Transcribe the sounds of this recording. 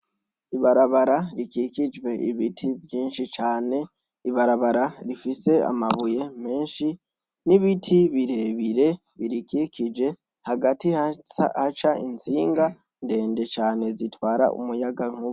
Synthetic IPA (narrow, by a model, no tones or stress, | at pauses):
iβaɾaβaɾaɾikikid͡ʒwe̞ʔiβitʰivjiːnʃit͡ʃaːne̞ | iβaɾaβaɾaɾifise̞a̰maβuje̞me̞ːnʃi | niβitʰiβiɾe̞βiɾe̞ | βiɾikikid͡ʒe̞ | haɡatihat͡ʃaḭnt͡siːŋɡa | nde̞ːnde̞t͡ʃaːne̞zitwaːɾa̰ʔṵmujaɡaŋ̥u